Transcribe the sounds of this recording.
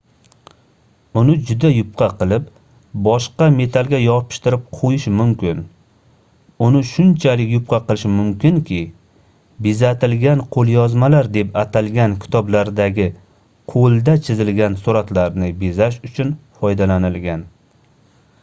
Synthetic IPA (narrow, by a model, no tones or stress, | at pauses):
ʊnɪd͡ʒʊd̪ajʊp̚qʰɑqɨlˠɪp | bɒʃqɑme̞t̪ʰalˠɡʲajɒpʰɪ̥ʃt̪ɪɾɪp̚qʰojɪʃmʊmkʲɪn | ʊnɪʃʊnt͡ʃʰalɪkʲjʊp̚qʰɑqɨlˠɪʃmʊmkʲɪŋkʲʰɪ | bɪzat̪ʰɪlɡʲanqʰolˠjɒzmalaɾd̪e̞pat̪ʰalɡʲankʲʰɪ̥t̪ʰɒblaɾd̪aɡʲɪ | qʰolˠd̪at͡ʃʰɪzɪlɡʲansuɾat̪laɾnɪbezaʃʊt͡ʃʰʊnfɒjd̪alanɪlɡʲan